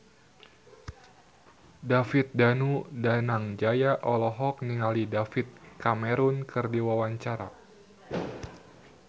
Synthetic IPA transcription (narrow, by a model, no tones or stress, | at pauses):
dafit̪̚danudanaŋd͡ʒajaʔɔlɔɦɔk̚niŋalidafit̪̚kamɛɾunkɨrdiwawaɲt͡ʃaɾa̰